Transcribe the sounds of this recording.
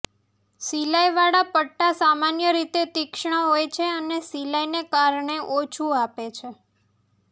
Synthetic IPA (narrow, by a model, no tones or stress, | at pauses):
silajʋaɽapəʈːasamanjəɾit̪et̪ikʃɳ̃əɦojt͡ʃʰeənesilajnekaɾɳeʔot͡ʃʰuapet͡ʃʰe